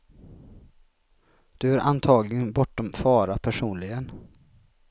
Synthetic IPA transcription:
d̪̥ɵæɾʔa̰nt̪ʰɑːɡlɪɡənbɔʈːɔmfɑːɾapʰæʂuːnlɪɡən

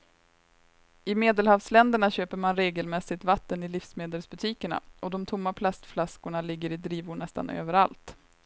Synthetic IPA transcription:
ɪmeːd̪əlhavslɛnd̪əɳaɕøːpəɾmanɾeːɡəlmɛsɪt̪vat̪ːənɪlɪfsmeːd̪əlsbɵt̪ʰiːkəɳa̰ɔd̪ɔmt̪ʰʊmːapʰlast̪flaskʊɳalɪɡːəɾɪd̪ɾiːvʊɳɛst̪a̰nø̰ːvəɾa̰lt̪

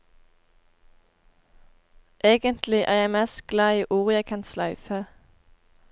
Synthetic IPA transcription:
ʔeːɡənt̪ʰlɪʔæ̰ːʁjæɪmeːst̪̚ɡ̥lɑːiːʔuːʁjæɪkʰɑnslɑʉfə

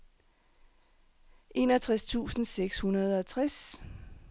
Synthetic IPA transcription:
ʔe̝nɒt͡sʰʁast͡sʰṵːsn̩seɡ̥shunɐð̞ˠɒ̽t͡sʰʁas

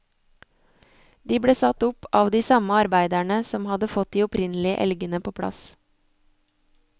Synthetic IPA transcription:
d̪̥iːbɽeːsɑt̪ʊpɑːʋd̪iːsɑməɑɾbæɪd̪æɳəsɔmhɑd̪əfɔt̪̚d̪iːɔpɾɪnl̩ɪə̰ʔɛ̰lɡənəpʰoːpʰɽɑ̰s

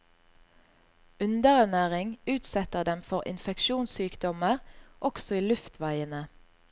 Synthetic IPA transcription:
ʉnd̪əʁɛnæːʁɪŋʉːt̪sɛt̪əʁd̪ɛmfɔʁɪ̰nfɛkʃuːnsyːkd̪ɔməʁʔɔksɔiːlʉft̪ʰʋæɪənə

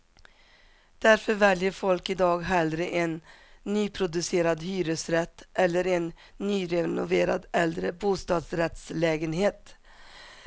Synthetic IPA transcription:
d̪̥æɾfœɾvɛljəɾfɔlkɪd̪ɑːɡɦɛld̪ɾəʔɛnːyːpʰɾʊd̪ɵseːɾad̪hyːɾɵsɾɛt̪ːʔɛlːəɾɛnː | yːɾɛnʊ̰veːɾa̰d̪ʔɛld̪ɾəbuːst̪ɑːd̪sɾɛt̪slɛːɡənɦeːt̪

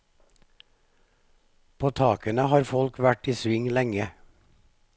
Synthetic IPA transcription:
pʰoːt̪ʰɑːkənəhɑːɾfɔlkʰʋæʈiːsʋɪŋlɛŋə

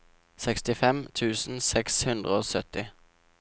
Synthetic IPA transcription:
sɛkst̪ɪfɛmt̪ʰʉːsn̩sɛkshʉnd̪ʁəoːsœt̪ɪ

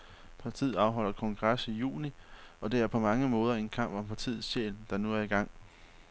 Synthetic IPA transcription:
pʰɑ̈t͡sʰḭːð̩ˠɑ̈ʊɦɒ̽l̰ɐkʰɒ̽ŋɡ̥ʁɑsijṵːniɒ̽d̥e̝æɐpʰɒ̽mɑ̈ŋəmɔ̽ːð̞ˠɐe̝nkʰɑ̈m̰b̥ɒ̽mpʰɑ̈t͡sʰḭːð̩ˠsɕḛːld̥ɑ̈nuæɐiɡ̥ɑ̈ŋ̰

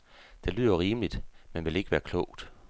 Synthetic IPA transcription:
d̥e̝lyːð̰ˠoʁiːməlid̥menʋe̝le̝ɡ̥əʋæːɐkʰlɔʊ̰d̥

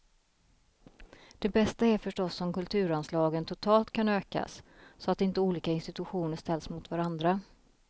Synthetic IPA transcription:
d̪̥ɛbɛst̪aæɾfœʂʈɔsːɔmkɵlt̪ʰʉ̟ːɾanslɑːɡənt̪ʰʊt̪ʰɑːlt̪kʰanøːka̰sːɔat̪ɪnt̪əuːliːkaɪnst̪ɪt̪ɵɧuːnəʂt̪ɛlsmʊt̪vaɾand̪ɾa

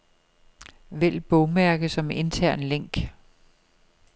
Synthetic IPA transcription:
ʋel̰b̥ɔʊmæɐɡ̥əsɒ̽me̝nt͡sʰæɐ̰nleŋ̰ɡ̥

